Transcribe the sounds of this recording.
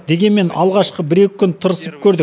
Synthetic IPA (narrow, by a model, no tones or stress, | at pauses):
d̪e̞ɡʲe̞nme̞nɑ̰lˠʁɑʃqəbɪɾe̞kʲɪ̥kʲʰʏnt̪ʰʊɾəsəp̚kʲʰɵɾd̪ɪ